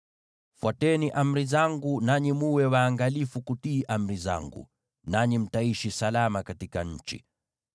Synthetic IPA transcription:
fwatɛniʔam̩ɾizaŋɡunaɲimuwɛwaːŋɡalifukutiːʔam̩ɾiza̰ŋɡṵ | naɲim̩taiʃisalamakatikaɲ̩t͡ʃḭ

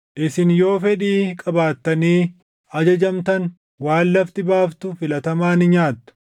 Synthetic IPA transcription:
ʔɪsɪnjo̞ːfɛᶑiːkʼɐbaːt̪ːɐniː | ɐd͡ʒɐd͡ʒɐmt̪ɐn | waːlːɐft̪ɪbaːft̪ʊfɪlɐt̪ɐmaːnɪɲaːt̪ːʊ̥

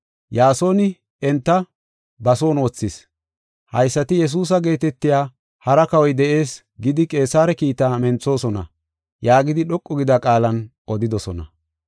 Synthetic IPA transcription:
jaːso̞ːnɪ | ɛnt̪ːɐ | bɐso̞ːnoːt͡sːɪs | hɐjsːɐt̪ɪjɛs̬uːs̬ɐɡe̞ːt̪ɛt̪ːɪjaː | hɐɾɐkɐwɔjd̪ɛʔe̞ːs | ɡɪd̪ɪkʼe̞ːsaːɾɛkiːt̪aːmɛnt͡sːo̞ːsɔnɐ̰ | jaːɡɪd̪ɪɗɔkʼːɔɡɪd̪ɐkʼaːlɐn | ɔd̪ɪd̪ɔsɔnɐ̰

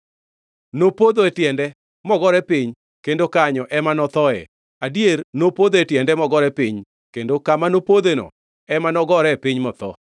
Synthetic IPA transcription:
nopod̪oetjɛndɛ | mɔɡɔɾɛpɪɲ | kendokaɲɔʔɛmanɔt̪ɔɛ̰ | adiernopod̪oetjɛndɛmɔɡɔɾɛpɪɲ | kendokamanopod̪enɔ̰ | ɛmanɔɡɔɾɛpɪɲmɔt̪ɔ̰

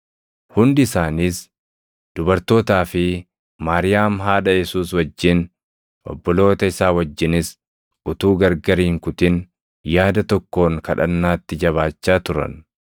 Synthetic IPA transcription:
hʊnd̪ɪsaːniːs | d̪̥ʊbɐɾt̪o̞ːt̪aːfɪ | maːɾɪjaːmɦaːᶑɐjɛsuːswɐd͡ʒːɪn | ʔɔ̰bːɔlo̞ːt̪ɐɪsaːwɐd͡ʒːɪnɪs | ʊt̪uːɡɐɾɡɐɾiːŋkʊt̪ɪn | jaːd̪ɐt̪ɔkːo̞ːŋkɐᶑɐ̰nːaːt̪ːɪd͡ʒɐβaːt͡ʃːaːt̪ʊɾɐ̰n

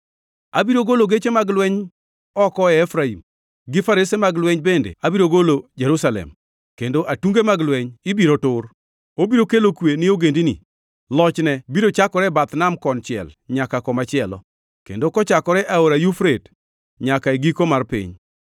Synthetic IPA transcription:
abiɾoɡoloɡet͡ʃemaɡlwɛɲ | ɔkɔɛːfɾaḭm | ɡɪfaɾisemaɡlwɛɲbendḛabiɾoɡolod͡ʒeɾusalɛ̰m | kendoʔatuŋɡemaɡlwɛɲɪbiɾotʊr | obiɾokelokwenɪoɡendinɪ̰ | lɔt͡ʃnɛbiɾot͡ʃakɔɾɛbat̪namkɔnt͡ʃɪɛ̰lɲakakɔmat͡ʃɪɛlɔ̰ | kḛndokɔt͡ʃakɔɾɛʔaoɾajufɾet | ɲakaeɡikomarpɪ̰ɲ

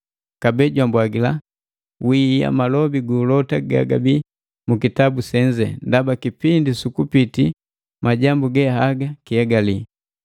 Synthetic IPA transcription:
kabɛɟwambwaɡila | wija̰malɔbiɡuːlɔtaɡa̰ɡabi | mukitabusɛɲd͡ʒɛ̰ndabakipindisukupiti | maɟambuɡɛhaɡakiɛɡali

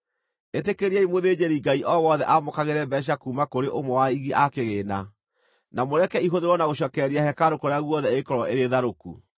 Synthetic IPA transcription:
etekeɾiɛimoðeːd͡ʑeɾiŋɡaiʔɔwɔðɛʔamokaɣeɾɛbɛɕ̬akuːmakoɾeʔomɔwaiɣiʔakeɣeːna | namoɾɛkɛiɦoðeɾwɔnaɣoɕ̬ɔkɛɾiahɛkaɾokoɾeaɣwɔðɛekɔɾɔʔeɾeðaɾokṵ

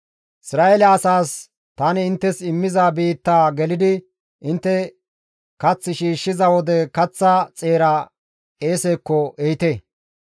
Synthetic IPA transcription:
ʔɪsɾaːelɐɐsaːs | t̪ɐnɪɪnt̪ːɛsɪmːɪzabiːt̪ːaːɡɛlɪd̪ɪ | ʔɪnt̪ːɛ | kɐt͡sːɪʃiːʃːɪzɐwɔd̪ɛkɐt͡sːɐt͡sʼe̞ːɾɐ | e̞ːseːkːɔʔejɪt̪eː

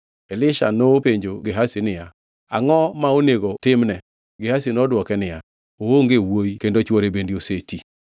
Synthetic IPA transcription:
elɪʃa̰nopeɲd͡ʒoɡɪɦasɪnɪja | a̰ŋɔmaoneɡotɪmnɛ | ɡɪhasinodwɔkɛnɪja | ooŋɡewojkendot͡ʃwɔɾebendioseti

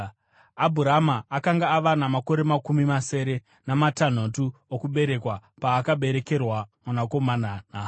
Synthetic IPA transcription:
abʱuɾamaːkaŋɡaːʋanamako̞ɾe̞makumimase̞ːɾe̞ | namatan̤otuokuɓe̞ɾe̞kwapaːkaɓe̞ɾe̞ke̞rwamunako̞mananaː

